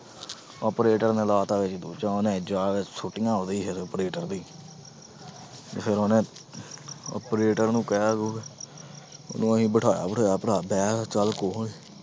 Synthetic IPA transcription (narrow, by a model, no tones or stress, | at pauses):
ɔːpɾeːʈəɾneːlaːt̪ãːʋɪt͡ʃd̪uːt͡ʃãoːnẽːd͡ʒaːʋɪt͡ʃsʊʈːɪjãːɦoːd̪iːpʰɪɾɔːpɾeːʈəɾd̪iː | t̪epʰɪɾoːnẽː | ɔ̰ːpɾeːʈəɾnũːkɛːɡuː | o̰nũːəɦĩːbəʈʰaːja̰ːbəʈʰaːjaːpəɽaːbɛːt͡ʃəlkoːɳeː